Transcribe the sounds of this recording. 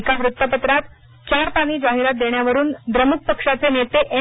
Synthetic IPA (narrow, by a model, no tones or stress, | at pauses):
kaʋɾut̪ːəpət̪ɾat̪ | t͡ɕaɾpaɽ̃iːd͡zaɦiɾat̪̚d̪eɳjaʋəɾuːnd̪ɾəmuk̚pəkʂat͡senet̪eʔe